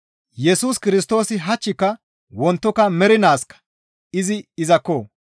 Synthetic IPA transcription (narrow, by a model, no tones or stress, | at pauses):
jɛsuːskɪɾɪs̬t̪o̞ːsɪɦɐt͡ʃːɪkːɐ | wɔnt̪ːɔkɐmɛɾɪnaːskɐ̥ | ɪzɪɪzɐkːoː